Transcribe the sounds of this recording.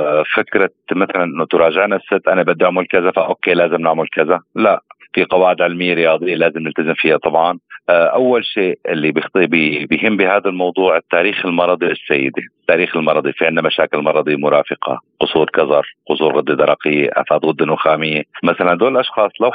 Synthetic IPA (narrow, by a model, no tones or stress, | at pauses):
fɪkɾɑ | maθalanʔɪnːʊt̪ʊɾˤɑːʒɪʕnasːɪt̪ːʔanabɪd̪ːiʔʊʕmʊlkazafaʔoːkeːlaːzɪmnɪʕmʊlkazalaʔfiqɑwaːʕɪd̪ʕɪlmɪjːeɾɪjɑːd̪ˤɪjːalaːzɪmnɪlt̪azɪmfiːjat̪ˤɑbʕɑnʔʔawːalʃeːʔɪlːibɪxt̪bibɪjɦɪmːbiɦaːd̪almɑwd̪ˤuːʕɪt̪ːaːɾiːxɪlmɑɾˤɑd̪ˤilɪsːajːɪ̰d̪et̪ːaːɾiːxɪlmɑɾˤɑd̪ˤifiʕɪnːamaʃaːkɪlmɑɾˤɑd̪ˤimʊɾˤɑːfɪqɑ̰qʊsˤuːɾkɑzɑɾˤqʊsˤuːɾɣɪd̪ːid̪ɑɾˤɑqɪjːḛʔa̰faːd̪ɣʊd̪ːɪnʊxaːmɪjːemaθaland̪oːllʔɑʃxɑːsˤlaw